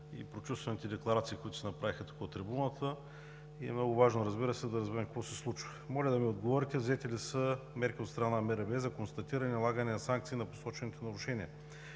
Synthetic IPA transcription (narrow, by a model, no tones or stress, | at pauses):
ḭpɾot͡ʃust̪vɐnit̪ɛd̪ɛklˠɐɾat̪siːkoʊit̪ʊ̥sɛnɐpɾavixɐt̪u̥kəot̪ɾibunət̪ʰə | iɛ̰mnɔɡʊvaʒnoɾɐzbiɾəsɛd̪ɐɾɐzbɛɾɛmkəkvɔsɛslˠut͡ʃvəmɔlʲəd̪ɐmiod̪ɡovɔɾit̪ɛvzɛt̪ɛlisəmɛɾkʲiot̪st̪ɾɐnamɛɾɛbɛzɐkonst̪ɐt̪iɾənʲilˠaɡənɛnɐsaŋk̚t̪siːnɐpo̥sɔt͡ʃɛnit̪onɐɾʊʃɛniə